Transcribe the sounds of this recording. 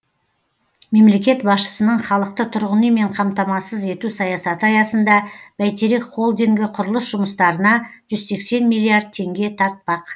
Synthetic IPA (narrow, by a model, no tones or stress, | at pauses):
me̞mle̞kʲe̞t̪bɑsʃə̥sənəɴχɑlˠəq̚t̪ət̪ʰʊɾʁənəjme̞ɴqʰɑmt̪ɑmɑsəze̞t̪usɑjɑsɑt̪əɑjɑsənd̪ɑb̥æjt̪eɾekχo̞lˠd̪iŋɡʲɪqʰʊɾəlˠəsʒʊməst̪ɑɾənɑʒ̥ʏzse̞kse̞nmilˠːiaɾd̪̚t̪ʰe̞ŋɡʲe̞t̪ʰɑɾt̪̚pɑq